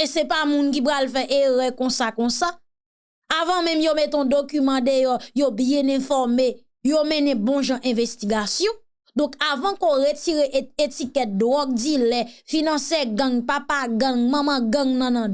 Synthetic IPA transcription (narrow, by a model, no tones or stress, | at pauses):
esɛpamũnk̬ip̬ɣalfɛʔeʁɛ̃kɔ̃sakɔ̃saː | vãmɛ̃mjomet̪eɔ̃d̪okymɑ̃d̪ejɔjobjɛ̃nɛ̃fɔʁme | jomɛ̃nɛ̃bɔ̃ʒãʔɛ̃vestiɡasjɔ̃ | d̪ɔ̃kavãkoʁetiʁeʔetikɛt̪̚d̪wɔɡ̚dilɛfinɐ̃sɛɡãŋpapaɡãŋmãmãɡãŋnãnã